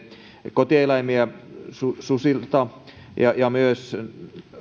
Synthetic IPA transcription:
kot̪eˑlɑimiæsususilt̪ɑ | jɑjɑmyøs

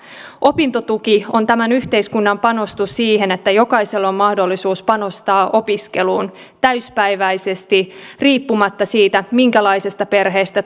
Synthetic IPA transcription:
ʔo̞pint̪o̞t̪ukio̞nt̪æmænyht̪e̞iskunːɑmpɑno̞st̪ussiːɦe̞ne̞t̪ːæjo̞kɑjse̞lːo̞mmɑhdo̞lːisuːspɑno̞st̪ɑːʔo̞piske̞luːn | t̪æyspæjʋæjse̞st̪iriːpːumɑt̪ːɑsiːt̪æmiŋkælɑjsest̪ɑpe̞rɦe̞ːst̪æ

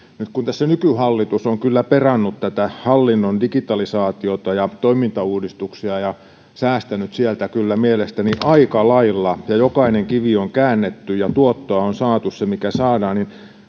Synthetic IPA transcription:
nyt̪kunt̪æsːænykyhɑlːit̪usoŋkylːæperɑnːut̪t̪æt̪æhɑlːinːondikit̪ɑlisɑːt̪iot̪ɑjɑt̪oimint̪ɑuːdist̪uksiɑjɑ | sæːst̪ænyt̪sielt̪ækylːæmielest̪æniʔɑikɑlɑilːɑjɑjokɑineŋkiʋioŋkæːnːet̪ːyjɑt̪uot̪ːoɑonsɑːt̪ussemikæsɑːdɑːnnin

